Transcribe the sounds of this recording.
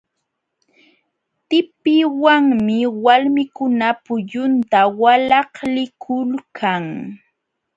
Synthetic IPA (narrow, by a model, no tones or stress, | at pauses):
t̪ɪpɪwaŋmɪwalmɪkʊnapʊʎʊnt̪awalɑhlɪkʰʊlkʰaŋ